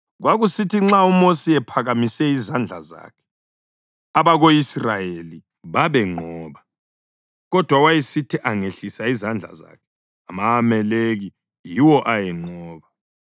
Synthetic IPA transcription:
ɣwaɣusitʰiŋ͡ǁaumosiɛpʰaɣamisɛizand͡ɮʱa̰za̰ːkʰɛ̥ | aβaɣoisrajeli | βaβɛŋ͡ǃʱɔːβa | ɣɔd̥ʱwawajisitʰiʔaŋeɬisaizand͡ɮʱa̰za̰kʰɛ̥ | amaːmɛleɣi | jiwɔʔajɛŋ͡ǃɔːβa

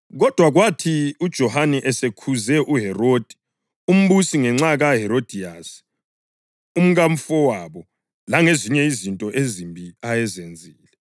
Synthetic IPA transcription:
ɣɔd̥ʱwaɣwatʰiud̥ʒ̥ʱɔhanɛʔɛsekʰuzɛʔuɦɛrod̥ʱi̥ | um̩βusiŋɛŋ͡ǀaɣaɦɛɾod̥ʱias | um̩ɣam̩fɔwaβɔ | laŋeziɲɛizintʼɔʔezimbʱiajɛzend͡zʱiːlɛ

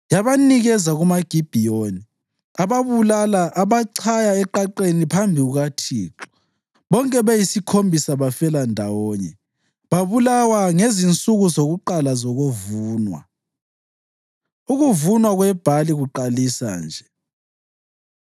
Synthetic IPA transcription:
jaβaniɣɛzaɣumaɡ̥ʱib̥ʱijoni | aβaβulalaʔːβaǀʰajaɛǃaǃenipʰambʱiuɣatʰiːǁɔ̥ | βɔŋkʼɛβejisikʰombʱisaβafɛlandʱawɔːɲɛ | βaβulawaŋezint͡sʼuɣuzoɣuǃalazoɣuvuːnwa̰ | uɣuvunwaɣwɛb̥ʱaliɣuǃalisa̰nd͡ʒʱɛ

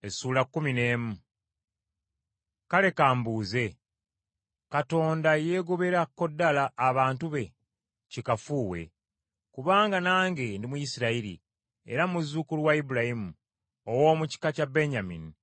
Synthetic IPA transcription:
esuːlakːumine̞ːmu | kale̞kaːmbuːze̞ | kato̞ːndaje̞ːɡoβe̞ɾakːo̞dːalaʔːβaːntuβe̞ | cikafuːwe̞̰ | kuβaːŋɡanaːŋɡe̞ndimujisiɾaiɾḭ | e̞̰ɾamuzːukuliwaibulahimu | owo̞ːmuci̥kacabe̞ɲamḭni

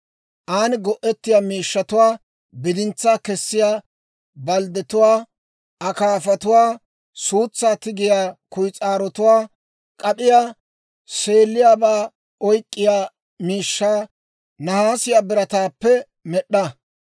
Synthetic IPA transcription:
ʔaːnɪɡɔʔɛt̪ːɪjaːmiːʃːɐt̪ʊwaː | bɪd̪ɪnt͡sːaːkɛsːɪjaː | bɐld̪ɛt̪ʊwaː | ɐkaːfɐt̪ʊwaː | suːt͡sːaːt̪ɪɡɪjaːkʊjt͡sʼaːɾɔt̪ʊwaː | kʼɐpɪjaː | se̞ːlːɪjaːbaː | ɔjkʼːɪjaː | miːʃːaː | nɐhaːsɪjaːbɪɾɐt̪aːpːɛ | mɛɗːɐ

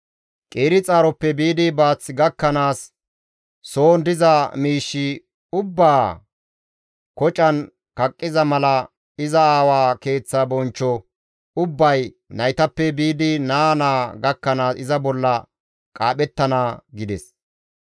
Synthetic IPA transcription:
kʼeːɾɪt͡sʼaːɾɔpːɛbiːd̪ɪbaːt͡sːɡɐkːɐnaːsː | o̞ːnd̪ɪzɐmiːʃːɪ | ʊbːaː | kɔt͡ʃʼɐn | kɐkʼːɪzɐmɐlɐ | ɪzɐaːwaːke̞ːt͡sːɐbɔnt͡ʃːɔ | ʊbːɐj | nɐjt̪ɐpːɛbiːd̪ɪnaːnaːɡɐkːɐnaːsɪzɐbɔlːɐ | kʼaːɓɛt̪ːɐnaːɡɪd̪ɛs

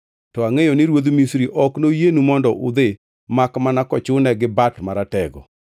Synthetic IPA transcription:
tɔaŋejonɪɾwod̪misɾiʔɔknojenumɔndɔʔʊ̰d̪ɪ | makmanakɔt͡ʃʊnɛɡɪbatmaɾatɛɡɔ̰

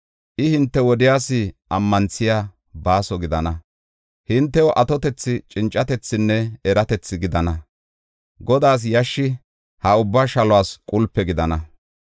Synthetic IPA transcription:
ʔɪhɪnt̪ːɛwɔd̪ɪjaːsɪʔɐmːɐnt͡sːɪjaː | baːsɔɡɪd̪ɐnɐ | hɪnt̪ːɛwɔʔɐt̪ɔt̪ɛt͡sːɪt͡ʃʼɪnt͡ʃʼːɐt̪ɛt͡sːɪnːɛɛɾɐt̪ɛt͡sːɪɡɪd̪ɐnɐ | ɡɔd̪aːs̬jɐʃːɪ | hɐʊbːaːʃɐlɔwaːskʼʊlpːɛɡɪd̪ɐnɐ

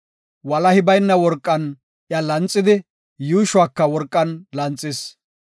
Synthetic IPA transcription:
wɐlɐhɪbɐjnːɐwɔɾkʼːɐn | ʔjalɐnt͡sʼːɪd̪ɪ | juːʃʊaːkːɐwɔɾkʼːɐnlɐnt͡sʼːɪs

